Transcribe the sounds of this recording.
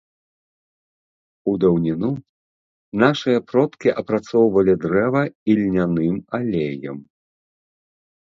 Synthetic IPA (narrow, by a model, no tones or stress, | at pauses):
ud̪ɐwnʲinu | naʂɨjɐpɾɔt̪kʲiʔɐpɾat̪sɔwvɐlʲid̪ɾɛvɐilʲnʲanɨmalʲejɐ̰m